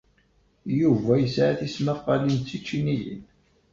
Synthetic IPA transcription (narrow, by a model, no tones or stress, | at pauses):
juvæjəsʕaθisməqːɑlint͡sːit͡ʃːinijḭn